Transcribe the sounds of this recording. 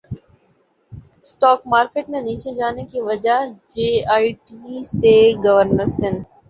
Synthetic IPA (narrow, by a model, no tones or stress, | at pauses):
sʈɔːkmaːɾkeːʈnẽniːt͡ʃed͡ʒaːnekiʋɐd͡ʒaɦd͡ʒeːaːiʈiːseɡɐʋəɾnəɾsɪ̃nd̪